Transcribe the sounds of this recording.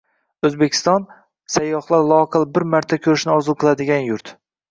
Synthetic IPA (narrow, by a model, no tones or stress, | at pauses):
ɵzbekʲʰɪ̥st̪ɒn | sajːɒχlˠaɾlˠɒqʰɨlˠbɪɾmaɾt̪ʰakʲʰɵɾɪʃnɪɒzʊqʰɨlˠad̪ɪɡʲanjʊɾt̪